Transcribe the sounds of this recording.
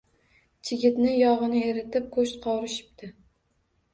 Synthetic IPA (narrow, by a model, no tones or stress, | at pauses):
t͡ʃʰɪɡʲɪt̪nɪjɒʁɨnɪeɾɪt̪ʰɪp̚kʰɵʃt̪qʰɒwɾɪʃɪ̥p̚t̪ʰɪ